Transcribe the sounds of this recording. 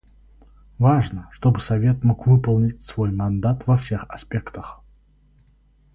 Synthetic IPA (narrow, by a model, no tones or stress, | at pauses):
vaʐnəʂt̪obɨsɐvʲe̞t̪mokvɨpəlˠnʲɪtʲsvojmɐnd̪at̪vɐfsʲe̞xɐspʲe̞kt̪əx